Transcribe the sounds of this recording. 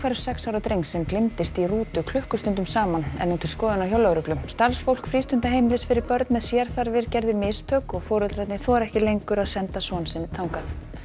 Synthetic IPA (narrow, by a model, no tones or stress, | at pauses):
kʰvɛɾ̥sɛksaːwɾat̪ɾejŋsɛmklɪmt̪ɪst̪iruːt̪ʏkʰlʏhkʏst̪ʏnt̪ʏmsaːmanɛ̰nːunt̪ʰɪlskɔːðʏnawçjɔwlawɾʏklʏmst̪alsfowlkfɾiːst̪ʏnt̪aɦeːjmɪlɪsfɪɾɪɾpœɾt̪nmɛðsjɛɾ̥θaɾvɪɾcɛɾðɪmɪst̪ʰœːkɔɣfɔːɾʏt̪ɾajt̪nɪθɔaɾɛhcɪlejŋkʏɾaðsɛnt̪asɔnsɪmt̪ʰawŋkaθ